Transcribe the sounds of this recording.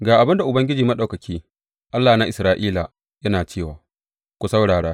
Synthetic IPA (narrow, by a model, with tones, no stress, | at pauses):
ɡaː˨ʔa˨bɪ˦nda˨ʔʊ˨bɐ˦ŋɡʲɪ˦d͡ʒiː˨mɐ˦ɗa˨wkɐ˨kʲʰiː˦ | ʔa˦lːaː˨na˦ʔɪ˨sɾaː˦ʔiː˦la˨ | jɐ˦naː˨t͡ʃeː˦˨waː˨ | kʷu˦sɐ˦wɽaː˨ɽaː˦